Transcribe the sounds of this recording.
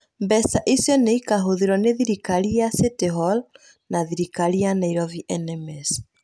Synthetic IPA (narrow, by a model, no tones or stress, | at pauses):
mbɛsaʔisjɔneikaɦoðiɾɔneðiɾikaɾiaseteɦɔl | naðiɾikaɾianaiɾɔviʔɛnɛmɛs